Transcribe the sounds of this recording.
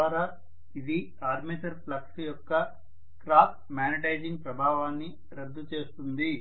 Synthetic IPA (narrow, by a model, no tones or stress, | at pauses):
aːɾaː | id̪i | aːɾmiʈɐɾplɐksijɔkːɐ | kɾaːp | maːniʈɐjd͡ʒiŋɡ̚pɾɐbʱaːʋaːnːi | ɾɐd̪ʱːut͡ʃe̞ːst̪und̪i